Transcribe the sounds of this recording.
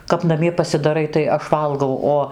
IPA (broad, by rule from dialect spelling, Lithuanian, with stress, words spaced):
kɐp nɐˈmʲiɛ pɐsʲɪdɐˈrɐɪ tɐɪ ˈɐʃ ˈʋɐlˠɡɐʊ ˈoː